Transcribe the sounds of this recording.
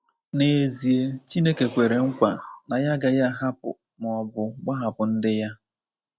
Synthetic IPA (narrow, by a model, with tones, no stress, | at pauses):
ne˨zi˨e˦t͡ʃi˦ne˦ke˨kʷe˨ɾe˨ŋ̩˦kʷa˨na˨ja˦ɡa˨ja˦ɦa˦pʊ̰˨ | m˨ɔ˨bʊ˨ɡ͡ba˦ɦa˨pʊ˨n̩˦dɪ˦ja˦